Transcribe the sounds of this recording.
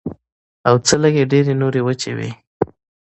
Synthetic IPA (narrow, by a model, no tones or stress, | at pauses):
awt͡sələɡeɖeɾenoɾewət͡ʃewḭ